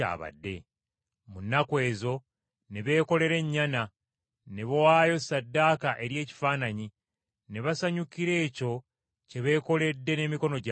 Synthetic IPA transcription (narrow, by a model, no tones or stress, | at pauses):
a̰ːβa̰dːe̞̰ | munːakwe̞ːzo̞ | neβe̞ːko̞le̞ɾe̞ɲːana | neβowaːjo̞sadːaːkaʔe̞ɾje̞ːci̥faːnaɲi | ne̞βasaɲukiɾe̞ːco̞ | ce̞βe̞ːko̞le̞dːe̞ne̞miko̞no̞ɟ